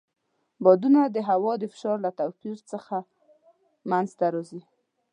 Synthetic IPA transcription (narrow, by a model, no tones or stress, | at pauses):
bɔd̪unad̪əɦawɑd̪əfɪ̥ʃɑɾlat̪awpiɾt͡səxa | manzt̪aɾɑzi